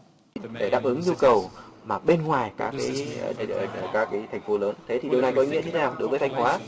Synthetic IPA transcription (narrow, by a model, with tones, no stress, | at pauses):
t̚ɗe˧˩ɗaː˨˩p̚ʔɨ˨˦ŋɲu˧kə˨˩wmaː˨˩ɓe˧nŋwaː˨˩jkaː˦˥kːaː˨˦˨ | kaː˨˦kːaː˨˦jt̪ʰa˨˩jŋ̟fo˨˦ləː˨˦nt̪ʰe˨˦t̪i˨˩ɗi˨˩wna˨˩jkɔ˨˦ŋḭ˧˥ɲɨ˧t̪e˨˦aː˨˩wɗo˨˦jvəː˨˦jt̪ʰjŋ̟hwaː˨˦